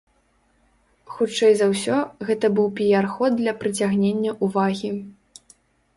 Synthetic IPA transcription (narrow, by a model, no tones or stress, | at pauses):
xut͡ʂɛjzɐwsʲɔɣɛt̪ɐbɨwpʲijarxɔd̪d̪lʲɐpɾɨt͡sʲaɣnʲenʲːɐʔuvaɣʲi